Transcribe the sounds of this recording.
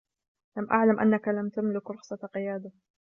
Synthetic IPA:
lamʔa̰ʕlamʔa̰nːakalamt̪amlɪkɾˤɑxsˤɑqɪjaːd̪a

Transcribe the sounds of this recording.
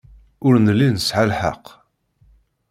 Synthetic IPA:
ʊɾnəlːinəsʕalħə̰q

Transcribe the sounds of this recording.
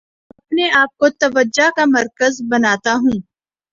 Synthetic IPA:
ɐpneaːp̚kot̪ɐʋəd͡ʒːakamɐɾkəzbɐnaːt̪aɦũː

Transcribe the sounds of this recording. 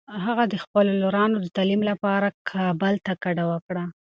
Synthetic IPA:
ɦaɣad̪əxpəloloɾɑnod̪ət̪ɑlimlapɑɾakʰɑbəlt̪akaɖawəkɽa

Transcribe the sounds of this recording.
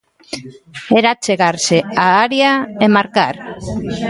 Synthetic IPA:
eɾat͡seɣarseaːɾiaemaɾkar

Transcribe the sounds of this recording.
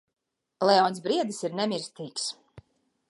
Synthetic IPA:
lɛɔːnsbɾiɛd̪isiɾnɛmʲiɾst̪iːks

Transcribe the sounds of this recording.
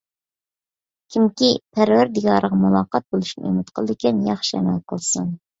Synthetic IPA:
kʲʰimkʲipʰæɾwæɾd̪iɡɑːɾəʁɑmulˠɑːqɑt̪̚bolˠuʃnɨḛmɪt̪qʰəlˠɨd̪ɪkʲɛnjɑχʃiɛ̰mɛlqʰəlˠsun

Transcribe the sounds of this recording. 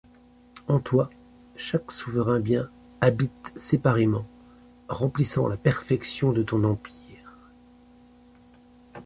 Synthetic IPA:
ɑ̃t̪wa | ʃaksuvəʁɛ̃bjɛ̃ | abit̪sepaʁemɑ̃ | ʁɑ̃plisɑ̰̃lapɛʁfɛksjɔ̃d̪ət̪ɔ̃nɑ̃piːʁ

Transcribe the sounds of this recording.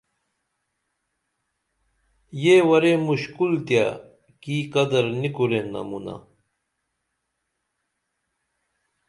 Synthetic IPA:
jewɐɾemuɕkult̪ja | kikɐd̪ɐɾnikuɾenːɐ̰muna̰

